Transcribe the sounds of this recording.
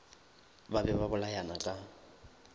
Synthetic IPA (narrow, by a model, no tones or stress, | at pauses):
babɛβabʊlajanakʼa